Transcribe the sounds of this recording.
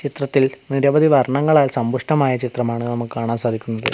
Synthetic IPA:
t͡ɕit̪rɐt̪ːilniɾɐʋɐd̪iʋɐrɳɐŋːɐɭaːlsɐmbuʂʈɐmaːjɐt͡ɕit̪rɐmaːɳɨnɐmukːɨkaːɳaːmsaːd̪ʱikʲːunːɐðɨ̰

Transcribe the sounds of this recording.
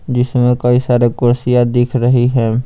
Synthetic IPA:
d͡ʒɪsmẽkɐisaːɾekʊɾsijad̪ɪːkʰɾɐɦiɦɛː

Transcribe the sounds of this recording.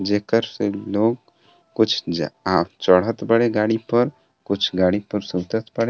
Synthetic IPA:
d͡ʒeːkəɾseloːɡ̚ | kʊt͡ʃʰd͡ʒat͡ʃəɽ̤ət̪bəɽeɡaɽipəɾ | kʊt͡ʃʰɡaːɽipəɾsũːt̪ət̪bəɽe

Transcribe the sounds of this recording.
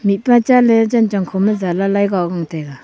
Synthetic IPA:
mit̚pat͡ʃalɛd͡ʒant͡ʃaŋkʰoməzalalajɡaɡaŋteɡa

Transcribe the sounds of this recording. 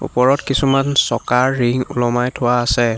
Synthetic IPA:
ṵpɔɹɔtkisumansɔkaɹːiŋṵlɔmajtʰʊwaːsɛ

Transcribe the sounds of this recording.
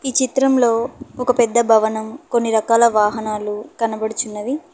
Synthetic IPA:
iːt͡ʃit̪ɾɐmlo̞ːɔkɐpɛd̪ːɐbʱɐʋɐnɐmkonːiɾɐkaːlɐʋaːɦɐnaːlukɐnɐbɐɽut͡ʃunːɐd̪i

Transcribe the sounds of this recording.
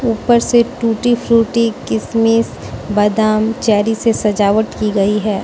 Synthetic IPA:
uːpəɾseʈuːʈifʰɾuːʈikɪsmiːs | bɐd̪aːmt͡ʃɛːɾisesɐd͡ʒaːʋəʈkiɡɐiɦɛː

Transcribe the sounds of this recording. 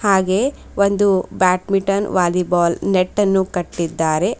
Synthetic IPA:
haːɡe̞ː | ond̪ubaːʈmiʈɐnʋaːlibaːlneʈːɐnːukɐʈːid̪ːaːɾe̞

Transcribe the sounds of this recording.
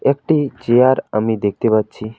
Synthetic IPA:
ekʈit͡ʃejaɾəmid̪ek̚ʰt̪iʋət̪̚t͡ʃʰi

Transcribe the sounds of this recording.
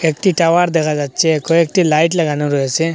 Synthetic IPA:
ek̚ʈiʈawaɾd̪ɛkʰad͡ʒat͡ʃʰekɔek̚ʈilajʈləɡanũɾɔese

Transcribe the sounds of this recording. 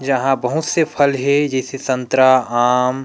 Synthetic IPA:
d͡ʒɐɦãbɐɦʊt̪sepʰɐlɦɛd͡ʒɛːsesɐ̃nt̪ɾaaːm

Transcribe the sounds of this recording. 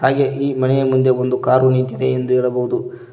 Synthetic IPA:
ɦaːɡe̞ʔiːmɐnɛjɐmund̪e̞ond̪ukaːɾunint̪id̪e̞ːnd̪uɦeːɭɐboɦud̪u

